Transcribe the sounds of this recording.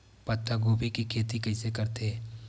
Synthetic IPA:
pɐt̪ːəɡoːbʱikikʰeːt̪ikɐɪsekɐɾt̪e

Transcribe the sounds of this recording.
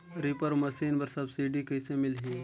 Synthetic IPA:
ɾipəɾmɐsiːnbɐɾsɐbsiːɖikəjsemɪlɦĩː

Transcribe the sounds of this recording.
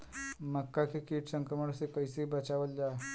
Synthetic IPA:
məkːakekiːʈsəŋkɾəməɽ̃sekəjseɦibət͡ʃaʋəld͡ʑaː

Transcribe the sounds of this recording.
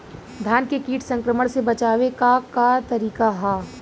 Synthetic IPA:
d̪ʱjaːnkekiːʈsɐ̃ŋkɾəməɽ̃sebɐt͡ʃaːʋekakat̪ɐɾiːkaɦa

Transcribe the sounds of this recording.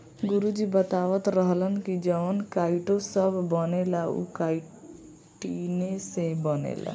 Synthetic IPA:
ɡuɾud͡ʒibət̪aʋət̪ɾəɦlənkid͡ʒəʋənkaiʈosəbʱːənelaṵkai | ʈinesẽbənḛla̰

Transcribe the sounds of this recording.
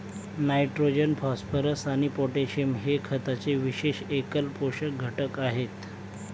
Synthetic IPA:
najʈɾod͡ʑənpɔspʰəɾəsaɽ̃ipoʈeɕimɦekʰət̪at͡seʋiɕeɕekəlpoɕək̚ɡʱəʈəkaɦet̪

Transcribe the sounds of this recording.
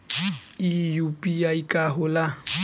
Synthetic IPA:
ijupʼiaikʼaɦʊla

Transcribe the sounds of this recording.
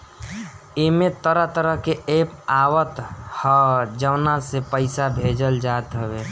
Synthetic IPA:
ɪmet̪əɾəɦt̪əɾəɦkeeːpaːwət̪həd͡ʒəwnasepəɪsabʱeːd͡ʒəld͡ʒaːt̪ɦəbeː

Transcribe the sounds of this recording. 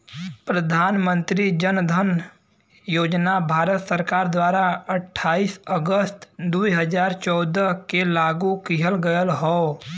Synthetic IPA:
pɾəd̪ʱaːnmə̃nt̪ɾid͡ʒənd̪ʱən | joːd͡ʒnabʱaːɾət̪səɾkaːɾd̪waːɾaəʈʰːaːiːsəɡəst̪d̪uiɦəd͡ʒaːɾt͡ʃɔːd̪əkelaːɡukɪɦəlɡəjəlɦɔː

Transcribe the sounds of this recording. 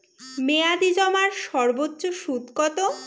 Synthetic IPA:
mead̪id͡ʑɔmaɾʃɔɾbotːɕoʃud̪kɔt̪o

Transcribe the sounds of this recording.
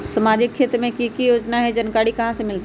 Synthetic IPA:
sɐmaːd͡ʒɪkʰːeːt̪ɾmẽkikijoːd͡ʒnaɦɛd͡ʒɐnkaːɽikɐɦãsɐ̃mɪlt̪

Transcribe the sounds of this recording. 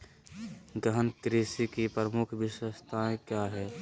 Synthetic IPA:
ɡəɦənkɾiːsikipɾəmʊkʰʋɪʃwəst̪ʰaẽkjaɦɛː

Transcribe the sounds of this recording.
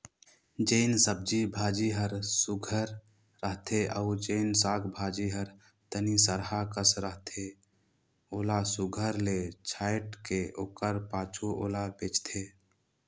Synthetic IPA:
d͡ʒeɪnsəb̚d͡ʒibʱaːd͡ʒiɦəɾsʊɡʱəɾː | əɦt̪ʰeʔəʊd͡ʒeɪnsaːɡbʱaːd͡ʒiɦəɾ | t̪ənisəɾɦakəsɾəɦt̪ʰe | oːlasʊɡʱəɾlet͡ʃʰaːɪʈkeʔoːkəɾpaːt͡ʃʰuʔoːlabet͡ʃt̪ʰeː

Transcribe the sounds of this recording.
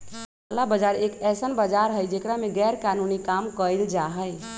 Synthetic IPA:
labəd͡ʒaɾekɛsənbəd͡ʒaɾɦəjd͡ʒekɾameɡɛɾkanunikamkəjld͡ʒaɦəj

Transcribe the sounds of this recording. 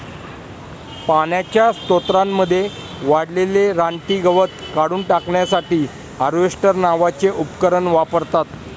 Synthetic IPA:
paɳjat͡ɕjast̪ot̪ɾamːəd̪ʱːje | ʋaɽleleɾaɳʈ̪iːɡəʋət̪̚kaɽuːnʈakɳjasaʈiː | əɾʋeʂʈəɾnaʋat͡seʔupkəɾəɳʋapəɾt̪at̪

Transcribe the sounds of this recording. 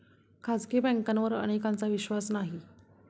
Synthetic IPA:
kʰad͡zkebɛ̃ŋkanʋəɾə̰ɽ̃ekãnt͡saʋiɕʋasnaɦi

